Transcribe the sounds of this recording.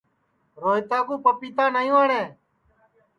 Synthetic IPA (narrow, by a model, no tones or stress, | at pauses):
ɾoːjt̪aːkũːpəpiːt̪ãːnaːjũːəɳeː